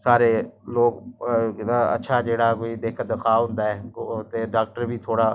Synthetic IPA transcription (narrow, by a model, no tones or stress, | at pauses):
saːɾeːloːɡ̪ | aə̰tːʃʰaːd͡ʒeːɽaːkoːid̪eːkʰəd̪əkʰaːɦʊ̃nd̪aːɛːt̪eːɖaːk̚ʈəɾbʱiːt̪ʰoːɽaː